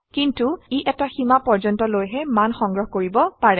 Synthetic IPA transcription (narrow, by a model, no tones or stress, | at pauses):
kintuiʔɛtaximapɔɹd͡ʒɔntɔlojɦɛmanxɔŋɡɹɔɦkoɹibɔpaɹɛ